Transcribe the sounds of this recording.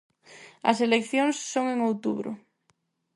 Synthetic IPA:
ɐ̰selekθjoŋsːoŋeŋowt̪uβɾʊ̰

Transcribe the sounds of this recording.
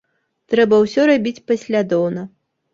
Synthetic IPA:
t̪ɾɛbɐwsʲɔɾabʲit͡sʲpɐsʲlʲad̪ɔwnɐ

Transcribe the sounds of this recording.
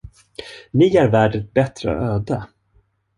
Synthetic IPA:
nɪæɾvæːɖət̪̚bɛt̪ɾə̰ɔ̰øːd̪ə

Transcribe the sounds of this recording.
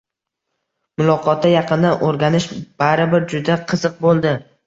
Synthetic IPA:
mʊlˠɒqʰɒt̪ʰːajɑqɨnd̪anʔoɾɡʲanɪʃb̥aɾɪbɪɾd͡ʒʊd̪aqʰɨz̥ɨq̚bolˠd̪ɪ

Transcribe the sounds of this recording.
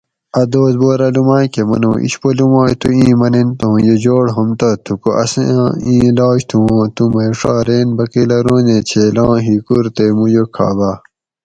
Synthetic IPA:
ɐd̪oːzboːɾɐlumaːjkemɐ̰nõ̰ːʔḭɕpolumaːjt̪uĩːmɐnent̪õjed͡ʑoːɽɦɐmt̪ɐt̪ʰukoʔɐ̰sḛ̃ĩːlaːɕt̪ʰũːt̪umɐʂaːɾeːnbɐkilɐɾõːnẽt͡ɕʰelãːɦikuɾt̪emujokʰa̰ːbaː

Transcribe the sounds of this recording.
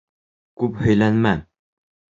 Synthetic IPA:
kʉphɵ̆jlænmæ

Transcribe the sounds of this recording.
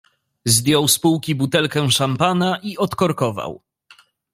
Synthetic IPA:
zd̪ʲjɔwspuwkʲibut̪ɛlkɛ̃ʂampanaʔiɔt̪kɔɾkɔva̰w

